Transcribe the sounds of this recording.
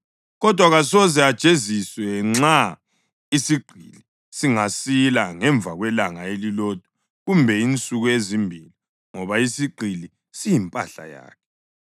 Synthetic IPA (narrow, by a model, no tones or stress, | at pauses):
ɣɔd̥ʱwaɣasɔzɛad̥t͡ʃʼeziswɛŋ͡ǁa | isiɡ͡ǃʱḭli | siŋasilaŋɛɱb̪vʱaɣwɛlaŋaeliloːd̥ʱu̥ | ɣumbʱɛint͡sʼuɣuezimbʱili | ŋɔβaisiɡ͡ǀʱili | sijimpʼa̰ɬa̰ja̰ːkʰɛ